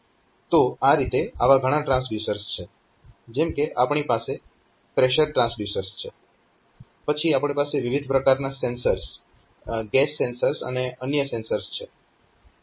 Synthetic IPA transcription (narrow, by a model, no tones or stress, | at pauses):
t̪oaɾit̪eaʋaɡʱəɽ̃ãʈɾãsljusəɾst͡ʃʰe | d͡ʒemkeʔapɳ̃ipase | pɾeʃəɾʈɾãnsljusəɾst͡ʃʰe | pət͡ʃʰiapɳ̃ipaseʋiʋid̪ʱpɾəkaɾnasensəɾs | ɡɛsːensəɾsə̰neənjəsensəɾst͡ʃʰe